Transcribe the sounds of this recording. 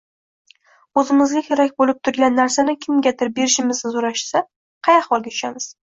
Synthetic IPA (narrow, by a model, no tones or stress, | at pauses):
ɵzɪmɪzɡʲakʲʰeɾakʲbolɪp̚t̪ʰʊɾɡʲanːaɾsanɪkʲʰɪmɡʲat̪ʰɪɾbe̞ɾɪʃɪmɪznɪzoɾaʃsa | qʰɑjɑχbɒlˠɡʲat̪ʰʊ̥ʃamɪz̥